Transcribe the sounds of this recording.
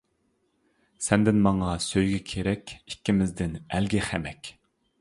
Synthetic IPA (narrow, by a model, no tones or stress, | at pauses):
sɛnd̪ɪnmɑŋɑsøjɡʲɛkʲʰeɾɛkʲi̥kʲʰːimɪzd̪ɪnælɡʲiχæmɛkʲ